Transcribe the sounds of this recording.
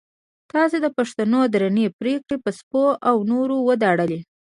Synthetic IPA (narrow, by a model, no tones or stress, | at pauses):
t̪ɑzad̪əpaʂt̪anod̪ɾanepɾekɽepəspoʔawnoɾowəd̪ɑɽəle